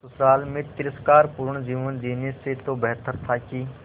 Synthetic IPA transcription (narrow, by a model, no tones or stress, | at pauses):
sʊsaːlmẽt̪ɪɾəskaːɾpuːɾəɳ̃d͡ʒiːʋənd͡ʒ̪iːneset̪obɛɦt̪əɾt̪ʰakiː